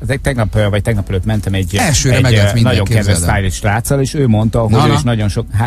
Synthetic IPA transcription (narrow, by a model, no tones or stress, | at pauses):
zet̪ɛɡnɒpvɒc̚t̪ɛɡnɒpɛløt̪mɛnt̪ɛmɛɟɛʃøːɾɛɛinɒɟoŋkɛd̪vɛsaːjliʃlaːt̪sɒleːʃøːmo̞nt̪ɒɦoøːiʃnɒɟo̞nʃokɦa